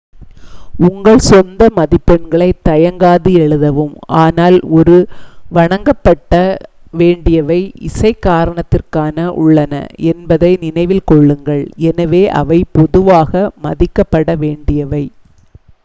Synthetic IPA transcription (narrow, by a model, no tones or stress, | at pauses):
ʊŋɡɐɭsɔnd̪ɐmɐðɪpːɛɳɡɐɭɐɪt̪ːɐjɐŋɡaːðɯɛɻɯðɐʋɯmʔaːnaːlɔɾɯʋɐɳɐŋɡɐpːɐʈːɐʋeːɳɖɪjɐʋɐɪɪsɐɪkːaːɾɐɳɐt̪ːɪrkaːnɐʔʊ̰ɭːɐnɐ̰ʔɛnbɐðɐɪnɪnɐɪʋɪlkɔɭːɯŋɡɐɭɛnɐʋeːʔɐ̰ʋɐɪpɔðɯʋaːɣɐmɐðɪkːɐpːɐɽɐʋeːɳɖɪjɐʋɐɪ